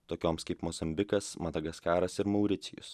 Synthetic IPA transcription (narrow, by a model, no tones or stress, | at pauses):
t̪oːkʲoːmskɐɪpmɔzɐmʲbʲɪkɐsmɐt̪ɐɡɐskʲæːɾɐsɪɾmɐʊɾʲɪt̪sʲɪjʊ̰s